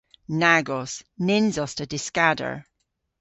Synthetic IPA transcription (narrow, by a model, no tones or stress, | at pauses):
naɡɔsnɪnzɔstədɪskadə̰˞